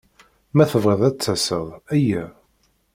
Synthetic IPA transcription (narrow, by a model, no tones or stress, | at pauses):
mæθəvʁeðˤæt͡sːæsəðˤæjːæ